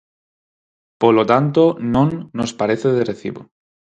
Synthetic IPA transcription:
polot̪ant̪onõŋːospaɾeθeðereθḭβo

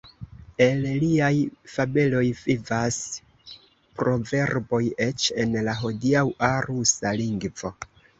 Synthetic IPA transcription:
e̞lliajfabe̞lo̞jvivas | pɾo̞ve̞ɾbo̞je̞t͡ʃe̞nlaɦo̞diawʔaɾusaliŋɡvo̞

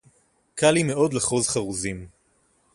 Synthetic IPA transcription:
kʰalimeo̞d̪leχozχaʁuzim

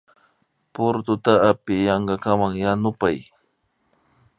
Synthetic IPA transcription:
pʊɾt̪ʊt̪aːpɪjɑɴɢɑkamaŋjanʊpaj

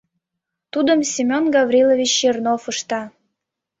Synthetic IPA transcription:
t̪ud̪əmsʲimʲonɡɑvɾʲilˠovʲit͡ɕːernofəʃt̪ɑ

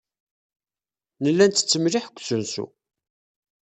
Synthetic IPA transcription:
nəlːænt̪ːə̥t͡sːəmliħkʷːsunsṵ

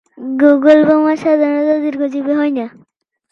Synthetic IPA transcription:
ɡoɡolbɔmasad̪ʱaɾnɔd̪ɔd̪iɾɡʰʱɔd͡ʒibeɦɔjna

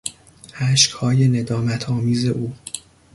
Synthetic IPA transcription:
hæʃkhɒːje̞ne̞d̪ɒːmæt̪ʰɒːmiːze̞ʔuː

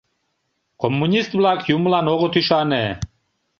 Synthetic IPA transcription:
kʰɔmːunʲist̪blakʰjumlanɔɣɔt̪ʰiʃanɛ

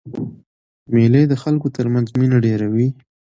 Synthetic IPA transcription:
meləjd̪əxalkot̪əɾmanzminaɖeɾawi

